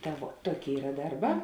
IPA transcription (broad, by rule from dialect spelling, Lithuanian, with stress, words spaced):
ˈtɐ ʋuɔ ˈtuɔˌkʲeːɪ ˈiːrɐ ˈdɐrˌbɑː